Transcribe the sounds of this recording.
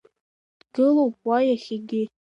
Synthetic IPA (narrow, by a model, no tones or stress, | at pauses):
d̥ɡɨlowpwajaχʲiɡʲɪ